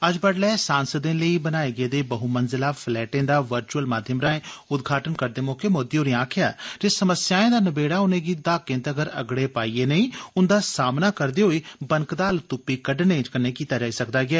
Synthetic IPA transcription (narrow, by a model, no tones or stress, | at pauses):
əd͡ʒbəɽlɛːsaːnsəd̪ẽːləiːbənaːeːɡɪeːd̪eːbəɦuːmənzɪlaːpʰlɛːʈẽːd̪aːʋəɾt͡ʃuəlmaːd̪ʱjəmɾãːẽːʊd̪ɡʱaːʈənkəɾd̪eːmoːkeːmoːd̪iɦoːɾĩãːkʰɪja̰ːd͡ʒeːsəməsjaːẽːd̪aːnəbeːɽaːʊnẽːɡiːd̪aːkːɪ̃nt̪əɡəɾə̰ɡɽeːpaːiːeːnəĩːʊnd̪aːsaːmnaːkəɾd̪eːɦoːiːbəŋkd̪aːlt̪ʊpːiːkəɖnẽːt͡ʃkənːeːkiːt̪aːd͡ʒaːiːsəkd̪aːɡɪɛː